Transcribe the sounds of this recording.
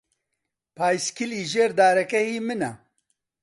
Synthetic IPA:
pʰaːjskʰiliːʒeːɾd̪aːɾɛkɛhiːmɨna

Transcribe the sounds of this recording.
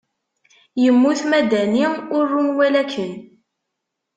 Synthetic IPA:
jəmːuθmæd̪æniʊrːunwælækːən

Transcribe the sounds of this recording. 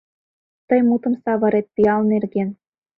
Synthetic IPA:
t̪ɤjmut̪ɤ̆msɑβɤ̆ɾet̪̚pijɑlnerɡen

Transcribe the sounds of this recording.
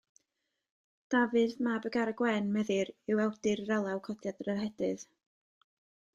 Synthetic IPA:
d̥avɨðmabəɡaɾəɡwɛnmɛðɨɾɪwɛwdɨrrɛlˠawkʰɔdʰjadrərhɛdɨð̥

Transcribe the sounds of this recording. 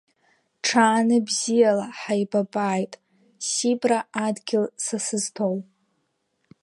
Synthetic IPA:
ʈ͡ʂʰaːnɨbzijalaħajbabaːjtʼ | sibraadɡʲɪlsasɨztʰow

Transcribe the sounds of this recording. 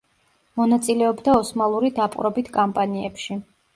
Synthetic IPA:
mɔnat̪sʼilɛɔbd̪aɔsmalˠuɾid̪apʼɾɔbit̪ʰkʼampʼaniɛpʃi

